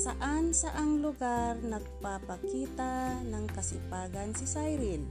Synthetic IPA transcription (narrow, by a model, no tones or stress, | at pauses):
saʔansaʔaŋlʊɡaɾnaɡ̚papakiːt̪anaŋkasɪ̰paːɡansɪsajɾɪl